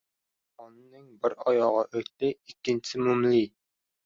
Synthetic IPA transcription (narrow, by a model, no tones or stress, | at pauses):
ɑnɨnɨŋbɪɾɑjɑʁɑʔøjt̪t̪ɪikʲːinsɪmumli